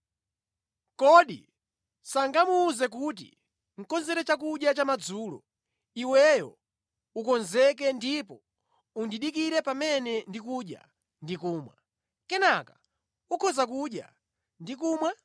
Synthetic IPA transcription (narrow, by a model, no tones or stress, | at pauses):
kɔɗḭ | saŋɡamuːzɛk̬uːt̬ḭ | ŋ̩kɔnzɛɾɛt͡ʃakuɗjat͡ʃamad͡zuːlɔ̰ | iwɛjɔ̰ | ukɔnzɛk̬ɛndipɔ | undiɗikiɾɛpamɛnɛndikuɗja̰ | ndikuːmwa̰ | kɛnaka | ukʰɔzak̬uɗja̰ | ndikuːmwa